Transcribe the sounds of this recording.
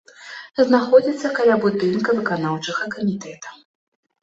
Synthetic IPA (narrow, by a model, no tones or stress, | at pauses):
znaxɔd͡zʲit̪sːɐkalʲabud̪ɨnkɐvɨkanawt͡ʂɐɣɐkɐmʲit̪ɛt̪ɐ̥